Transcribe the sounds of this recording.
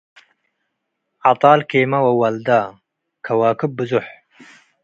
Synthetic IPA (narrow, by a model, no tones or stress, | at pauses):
ʕɑt̪ˤɑːlkeːmɐwɐwɐld̪aː | kʰɐwaːkɨb̚bɨzʊħ